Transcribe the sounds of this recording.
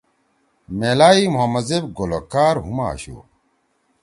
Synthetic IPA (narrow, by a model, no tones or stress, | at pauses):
meːlaːimuɦɐmɐzebɡolokaːɾɦuma̰ːɕṵː